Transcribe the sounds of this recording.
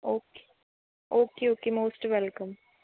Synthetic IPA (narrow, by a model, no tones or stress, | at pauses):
oːke̥ | oːkeoːkemoːsʈʋɛlkə̃m